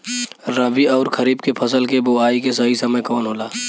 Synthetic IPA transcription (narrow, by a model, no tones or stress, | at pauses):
ɾəbʱiɔːɾkʰəɾiːbkepʰəsəlkeboaːikesəɦisəməjkɔːnɦoːlaː